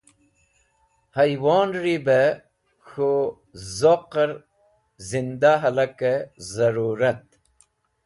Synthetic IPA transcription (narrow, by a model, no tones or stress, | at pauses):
hɐjwoːnɾibe | xo | zoqəɾ | zind̪aɦɐlɐkezɐɾuːɾɐt̪̚